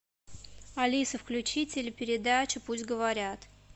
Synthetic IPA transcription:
ɐlʲisɨfklʲʉt͡ɕitʲɪlʲɪpʲɪɾʲɪd̪at͡ɕɪpusʲtʲɡəvɐɾʲat̪

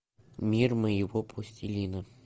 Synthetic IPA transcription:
mʲirməjɪvopʰosʲtʲilʲinə

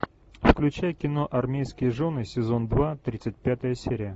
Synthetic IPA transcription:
fklʲʉt͡ɕæjəkʲɪno̞ʔɐrmʲejskʲɪjəʐo̞nɨsʲɪzo̞nd̪vat̪ɾʲit̪sɨt̚ʲpʲat̪əjəsʲeɾʲɪjə

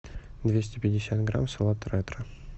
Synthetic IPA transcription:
d̪vʲesʲtʲɪpʲɪdʲɪsʲat̪ɡra̰msolˠɑt̪ɾɛt̪ɾə

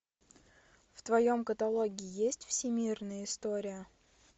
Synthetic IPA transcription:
ft̪vɐjo̞mkət̪ɐlˠoɡʲɪɪjesʲtʲfsʲɪmʲirnəjəɪst̪oɾʲɪjə

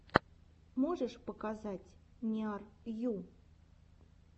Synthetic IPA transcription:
moʐəʂpəkazatʲnʲiɑrju

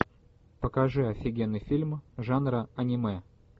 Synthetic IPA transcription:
pəkɐʐɨɐfʲɪɡʲenːɨjfʲilʲmʐanɾəɐnʲɪmɛ

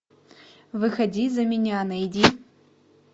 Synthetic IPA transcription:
vɨxɐdʲizɐmʲɪnʲanɐjidʲi

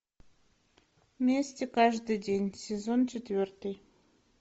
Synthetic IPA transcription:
mʲesʲtʲekɑʒd̪ɨjd̪ʲenʲsʲezont͡ɕet̪vʲørt̪əj

